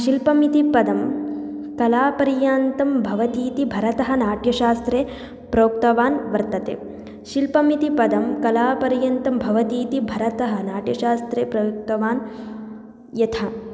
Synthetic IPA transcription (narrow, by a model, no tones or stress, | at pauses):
ʃilpɐmit̪ipɐd̪ɐm | kɐlaːpɐɾjaːnt̪ɐmbʱɐʋɐt̪iːt̪ibʱɐɾɐt̪ɐɦɐnaːʈjɐʃaːst̪ɾeː | pɾoːk̚t̪ɐʋaːnʋɐɾt̪ɐt̪ḛː | ʃilpɐmit̪ipɐd̪ɐmkɐlaːpɐɾjɐnt̪ɐmbʱɐʋɐt̪iːt̪ibʱɐɾɐt̪ɐɦɐnaːʈjɐʃaːst̪ɾeːpɾɐjuk̚t̪ɐʋaːn | jɐt̪ʰɐ